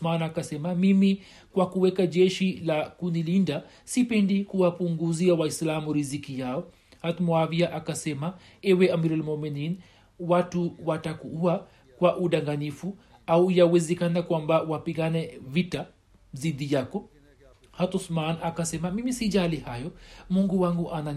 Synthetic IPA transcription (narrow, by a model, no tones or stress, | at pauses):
smanakasɛmamimi | kwakuwɛkaʄɛʃilakunilinda | sipɛndikuwapuŋɡuziawaislamuɾizikijaɔ | hat̪mɔaviaʔakasɛma | ɛwɛamiɾɛlmɔmɛnin | watuwatakuua | kwaʔuɗaŋɡanifu | aujawɛzɛkanakwambawapiɠanɛvita | ziðijakɔ | hat̪ɔsmanakasɛmamimisiʄalihajɔmuŋɡuwaŋɡuʔana